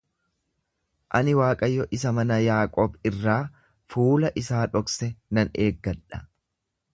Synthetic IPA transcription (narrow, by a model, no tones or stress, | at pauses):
ʔɐnɪwaːkʼɐjːɔʔɪsɐmɐnɐjaːkʼɔbɪrːaː | fuːlɐʔɪsaːᶑɔksɛnɐneːɡːɐᶑɐ̥